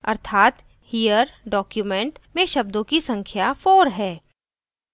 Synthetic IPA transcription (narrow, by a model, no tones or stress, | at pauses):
ɐ̰ɾt̪ʰaːt̪ | hijəɾɖɔːkjumẽɳʈmẽʃɐbd̪õkisɐ̃ŋkʰjafoːɾɦɛː